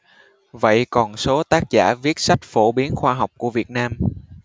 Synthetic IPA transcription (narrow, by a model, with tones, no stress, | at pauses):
və̰˧˨jkɔ˨˩nso˨˦t̪aː˦˥k̚zaː˧˩vi˦˥ət̚sa˦˥jk̟̚fo˧˩ɓi˨˦ənxwaː˧ɦa˨˩wk͡p̚ku˧˩əvi˨˩ət̚naː˧m